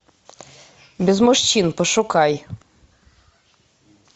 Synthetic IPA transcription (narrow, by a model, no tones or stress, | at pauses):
bʲezmɔʃt͡ɕinpɔʃukɑj